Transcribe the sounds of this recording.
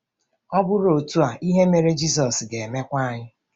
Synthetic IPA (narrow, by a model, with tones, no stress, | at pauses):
ɔ˦bʊ˦ɾo˨tu˦a˨ʔi˦ɦe˦me˨ɾe˦d͡ʒi˦sɔ˨sɡe˨me˦kʷa˦ɲɪ˦